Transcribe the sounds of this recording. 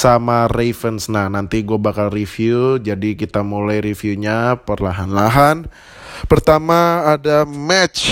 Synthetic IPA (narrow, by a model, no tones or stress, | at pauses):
samarefənsnahnant̪iɡuabakalrifiud͡ʒadikit̪amulajɾifiuɲapərlaɦanlaɦan | pərt̪amaːdamɛt͡ʃ